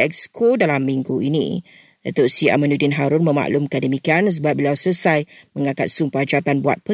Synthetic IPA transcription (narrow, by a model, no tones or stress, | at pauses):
ɛkskʰodalamːĩŋɡuʔinḭ̃ | dat̪ʊʔsia̰mãnudinɦaɾʊnmə̃ma̰ʔlʊmkandəmikians̬əbap̚bilawsəsajmə̃ŋãkat̪̚sumpad͡ʒat̪anbua̰t̪̚pə